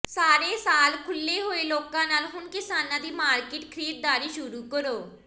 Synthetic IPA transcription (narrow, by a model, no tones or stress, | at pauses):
saːɾeːsaːlkʰʊlːeːɦoːeːloːkãːnaːlɦʊnkɪsaːnãːd̪iːmaːɾkɪʈkʰəɾiːt̪̚d̪aːɾiːʃʊɾuːkəɾoː